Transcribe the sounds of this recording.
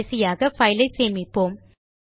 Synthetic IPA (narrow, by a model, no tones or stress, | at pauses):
sɪjaːɣɐfɐɪlɐɪseːmɪpːoːm